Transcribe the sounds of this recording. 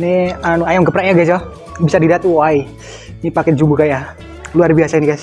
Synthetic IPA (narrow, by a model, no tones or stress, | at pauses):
nianuajamɡəpɾaʔɲaɡasɔ | bisadidat̪uwai | nipakɛd͡ʒubukaja | luarbiasainiɡajs